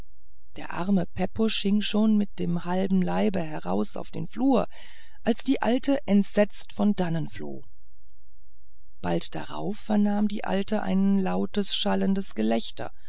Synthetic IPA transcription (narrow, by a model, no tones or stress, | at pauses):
d̥eːɐʔa̰ɐməpʰɛpʊʃhɪŋʃoːnmɪt̚d̥eːmhalbm̩laɪbəɦɛʁa̰ʊsa̰ʊfd̥ḛːnfluːɐ | ʔalsd̥iːʔa̰ltəʔɛntz̥ɛt͡stfɔndanənflo̰ː | b̥altd̥a̰ʁa̰ʊfːɛɐnaːmdḭːʔa̰ltəʔa̰ɪnlaʊtəsʃaləndəsɡ̥əlɛçtɐ̰